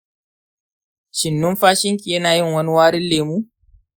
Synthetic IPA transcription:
ʃɪ˨nːʊ˦mɸaː˦ʃɪ˦ŋkʲʼi˨jɐ˦naː˨jɪ˦˨ŋwɐ˦ni˦waː˦ɾɪ˦lːeː˨muː˦

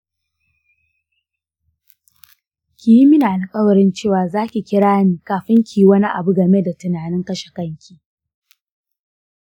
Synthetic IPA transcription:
kʲi˨ji˦mɪ˦naː˨na˨kʼɐ˦wɾɪ˦nt͡ʃeː˦˨waː˨zaː˦kʲi˨kʲɪ˦ɽaː˦niː˨kaː˨ɸɪ˦ŋkʲi˨ji˦wɐ˦ni˦ʔa˨bu˦ɡɐ˨me˦da˨tʊ˨naː˨nɪ˦ŋkɐ˦ʃe̥˨kɐ˦ŋkʲʰiː˦

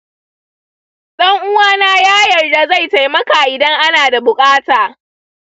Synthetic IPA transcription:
sʼɐ˦ŋʔʊ˦waː˦naː˦jaː˦jɐ˨rda˦za˦˨jta˨jmɐ˦kaː˨ʔɪ˨dɐ˦ŋʔa˦naː˨da˨bʊ˨kʼaː˦taː˨

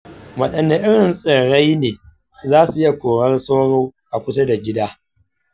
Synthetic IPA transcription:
wɐ˨ɗɐ˨nːe˦ʔɪ˦ɽɪ˨nsʼɪ˨ɽa˦jneː˨ | zaː˦su˨ɪ˦ja˨kʷoː˨ɽɐ˦rsoː˦ɽoː˦ʔa˨kʷʊ˦ta˦da˨ɡʲɪ˦daː˦

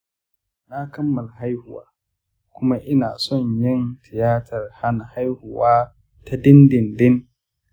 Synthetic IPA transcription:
na˦kɐ˦mːɐ˨lɦa˦jhʊ˨wa̰ː˨˦ | kʷʊ˦ma˦ʔɪ˦na̰ː˨sɔ˦ɲjɪ˦˨ntɪ˨jaː˦tʰɐ˨rha˦na˨ha˦jhʊ˨waː˦ | ta˦dɪ˦ndɪ˨ndɪ˦n

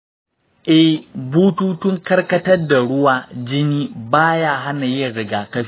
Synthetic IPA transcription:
ʔɛ˨hbuː˦tuː˦tʊ˦ŋkɐ˦rkɐ˦tɐ˦rda˨ɽʊ˦waː˨d͡ʒɪ˦niː˦baː˦jaː˦ɦa˦na˨jɪ˦ɽɪ˦ɡaː˨kɐ˦ɸ

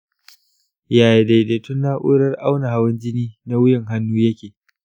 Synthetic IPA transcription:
jaː˨je˨da˨jde˨tʊ˦nːaː˦ʔʊː˦ɾɐ˦rʔa˦wna˨ha˦wɐ˦nd͡ʒɪ˦niː˦na˦wʊ˦jɪ˨ŋɦa˦nːuː˦jɐ˦kʲeː˨

